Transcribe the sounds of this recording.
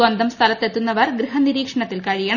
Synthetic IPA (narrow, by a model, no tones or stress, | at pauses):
wɐnd̪ɐmst̪ʰɐlɐt̪ːe̞t̪ːunːɐʋɐrɡriɦɐniɾiːkʂɐɳɐt̪ːilkɐɻijɐɳ